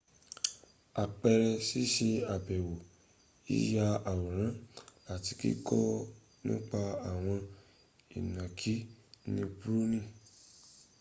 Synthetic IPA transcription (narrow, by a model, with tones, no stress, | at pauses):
a˨k͡pɛ˧ɾɛ˧si˦ʃe˧a˨bɛ˨wo˨ | ḭ˨˦ja˧a˨wu˨ɾ̃ã˨˦la˨˦ti˧kḭ˦kɔ˦ | nũː˦k͡pa˧a˨w̃ɔ̃˧ | ḭ˨nã˨kʰi˨˦nĩ˧bu˦ɾu˦nĩ˦˨